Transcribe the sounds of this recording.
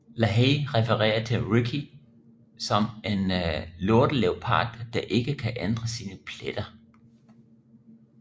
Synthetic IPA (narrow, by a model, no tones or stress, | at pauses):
læɦeːʁɛfəʁɛ̰ːɐt͡sʰe̝lʁikʰi | sɒ̽menloɐd̥əleʊpʰɑ̰̈ːd̥ːɑ̈ʔe̝ɡ̥əkʰæʔend̥ʁɐsiːnəpʰled̥ɐ